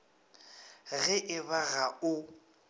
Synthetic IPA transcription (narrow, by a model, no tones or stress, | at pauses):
ɣɛʔɪβaɣaʊ